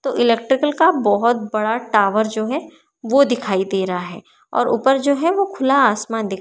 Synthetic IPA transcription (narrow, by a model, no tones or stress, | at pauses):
t̪oːʔɪlɛk̚ʈɾɪkəlkabɔɦʊt̪̚bɐɽaʈaːʋəɾd͡ʒoːɦɛ | ʋod̪ɪkʰaːid̪eːɾaɦaɦɛː | ɔ̰ːɾʔṵːpəɾd͡ʒoːɦɛʋokʰʊlaaːsmaːnd̪ɪ